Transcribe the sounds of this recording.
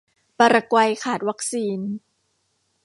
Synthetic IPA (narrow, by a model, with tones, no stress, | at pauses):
pa˧ɾa˧kwa˧jkʰaː˨˩t̪̚wa˦˥k̚siː˧n